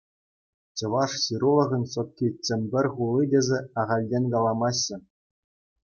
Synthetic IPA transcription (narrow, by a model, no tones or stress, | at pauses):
t͡ɕɤ̆ʋɑʂɕiɾulˠɤ̆ʁʲɤ̆nʲsŏt̪̚kʲit͡ɕɘ̆mʲbʲɘ̆rʲχulˠːidʲezʲĕɑʁɑlʲdʲenʲkɑlˠɑmɑɕːɘ̆